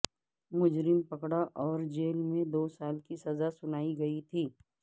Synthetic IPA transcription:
mʊd͡ʒɾɪmpɐkɽaʔɔːɾd͡ʒeːlmẽd̪oːsaːlkisɐzasʊnaːiɡɐit̪ʰiː

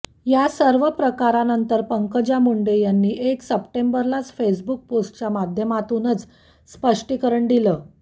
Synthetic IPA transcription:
jasəɾʋəpɾəkaɾanənt̪əɾpəŋkəd͡ʑamuɳɖejanːiːʔeksəpʈembəɾlat͡sfesbuk̚posʈt͡ɕjamad̪ʱjəmat̪uːnət͡s | spəʂʈikəɾəɳd̪iləː

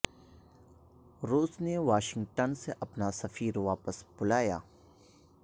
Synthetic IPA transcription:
ɾuːsneʋaːʃɪ̃ŋɡʈənseʔɐpnasɐfiːɾʋaːpəsbʊlaːja̰ː

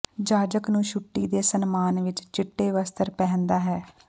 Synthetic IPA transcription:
d͡ʒaːd͡ʒəknũːʃʊʈːiːd̪eːsənmaːnʋɪt͡ʃt͡ʃɪʈːeːʋəst̪əɾpɛːnd̪aːɦɛː

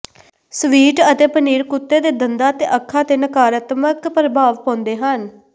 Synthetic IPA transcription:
sʋiːʈət̪eːpəniːɾkʊt̪ːeːd̪eːd̪ənd̪aːət̪eːʔəkʰːaːt̪eːnəkaːɾaːt̪məkpɾəbʱaːʋpɔãːnd̪eːɦən

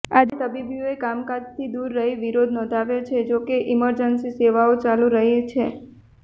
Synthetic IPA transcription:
ad͡ʒit̪əbibijoekamkad͡ʒt̪ʰid̪uɾːəɦiʋiɾod̪ʱnɔ̃ːd̪ʱaʋjot͡ʃʰed͡ʒokeʔiməɾd͡ʒənsiseʋaot͡ʃalũɾəɦet͡ʃʰe

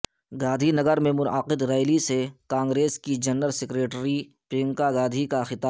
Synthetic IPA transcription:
ɡaːd̪ʱinɐɡəɾmẽmʊnəqɪd̪ɾɛːɪlisekãːŋɡɾeːskid͡ʒɐnəlsɪkɾeːʈɾi | pɪ̃ːŋkaɡaːd̪ʱikaxɪt̪aː

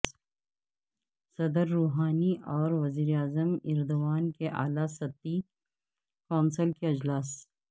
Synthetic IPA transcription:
sɐd̪əɾːuːɦaːniʔɔːɾwɐziːɾeaːzəmɪɾd̪uwaːnkeʔa̰ːlasɐt̪ːi | kaːnsəlkeɐd͡ʒlaːs

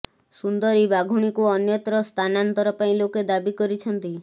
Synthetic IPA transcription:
sund̪ɔɾibaɡʱuɽ̃ikuɔnjɔt̪ɾɔst̪ʰanant̪ɔɾɔpaĩloked̪abikɔɾit͡ʃʰɔnt̪i

